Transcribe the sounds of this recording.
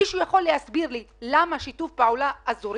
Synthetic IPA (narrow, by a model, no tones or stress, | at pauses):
iʃujaχo̞lːehasbiʁlilamaʃitufpaulaʔːzuɾ